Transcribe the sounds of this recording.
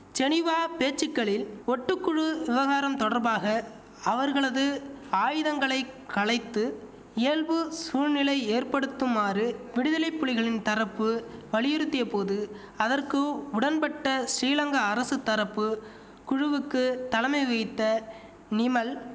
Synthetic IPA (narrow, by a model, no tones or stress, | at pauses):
t͡ʃɛnɪʋaːpeːt͡ʃːɪkːɐɭɪlɔʈːɯkːʊɻɯʋɪʋɐɣaːɾɐmt̪ɔɽɐɾbaːɣɐ | ɐʋɐɾɣɐɭɐðɯaːjɯðɐŋɡɐɭɐɪkɐɭɐɪt̪ːɯ | eːlʋɯsuːɻnɪlɐɪeːrpɐɽɯt̪ːɯmːaːrɯʋɪɽɯðɐlɐɪpːʊɭɪɣɐɭɪnt̪ɐɾɐpːɯʋɐɭɪjɪɾɯt̪ːɪjɐpoːðɯ | ɐðɐrkɯʊɽɐnpɐʈːɐsɾiːlɐŋɡɐːɾɐsɯt̪ːɐɾɐpːɯ | kʊɻʊʋɯkːɯt̪ɐlɐmɐɪʋɐɪt̪ːɐ | nɪmɐl